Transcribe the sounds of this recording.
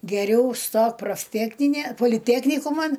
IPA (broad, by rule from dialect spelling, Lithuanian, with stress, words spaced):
ɡʲɛˈrʲɛʊ ˈstoːk proːfʲˈtʲæːknʲɪnʲeː poːlʲɪˈtʲæːknʲɪkʊmɐn